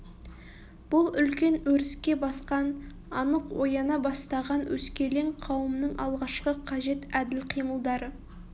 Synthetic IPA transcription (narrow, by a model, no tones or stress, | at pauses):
b̥ʊlˠʏlkʲe̞nwɵɾɪskʲe̞bɑsqɑn | ɑnəqwojɑnɑbɑst̪ɑʁɑnwɵskʲe̞le̞ŋqʰɑwəmnəɴʔɑ̰lˠʁɑʃqəqʰɑʒe̞t̪æd̪ɪlqʰijməlˠd̪ɑɾə